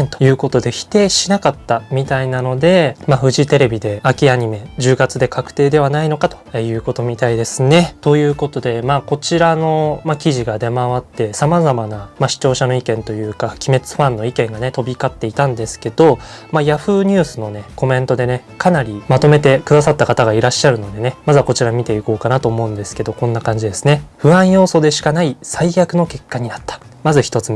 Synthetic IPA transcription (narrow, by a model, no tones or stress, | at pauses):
t̪ojɯ̟ːko̞t̪o̞d̪e̞çi̥t̪e̞ːɕinakat̪ːamʲit̪ainano̞d̪e̞maɸɯ̟ʑit̪e̞ɾe̞bʲid̪e̞akʲiaɲ̟ime̞d͡ʑɨːɡat͡sɨd̪e̞kʰakɯ̥t̪e̞ːd̪e̞β̞anainokat̪o̞̥jɯ̟ːko̞t̪o̞mʲit̪aid̪e̞sɨne̞t̪o̞jɯ̟ːko̞t̪o̞d̪e̞maːko̞t͡ɕiɾano̞makʲiʑiɡad̪e̞maβat̪ːe̞samazamanamaɕi̥t͡ɕo̞ːɕano̞ikẽ̞nt̪o̞jɯ̟ːkakʲime̞t͡sɨ̥ɸãnːo̞ikẽ̞ŋɡane̞t̪o̞bʲikat̪ːe̞it̪ãnd̪e̞sɨ̥ke̞d̪̥o̞majaɸɯ̟ːɲ̟ɨːsɨno̞ne̞ko̞mẽ̞nt̪o̞d̪e̞ne̞ | kʰanaɾʲimat̪o̞me̞t̪e̞kɯ̟d̪asat̪ːakat̪aɡaiɾaɕːaɾɯ̟no̞d̪e̞ne̞mazako̞t͡ɕiɾamʲit̪e̞iko̞ːkanat̪o̞ːmo̞ɯ̃nd̪e̞sɨ̥ke̞d̪o̞kõ̞nːakãɲ̟d͡ʑid̪e̞sɨ̥ne̞ɸɯ̟ãɰ̃jo̞ːso̞ːd̪e̞ɕi̥kanaisaijʲakɯ̟no̞ke̞kːaɲ̟inat̪ːḁ | mazɨçi̥t̪o̞t͡sɨ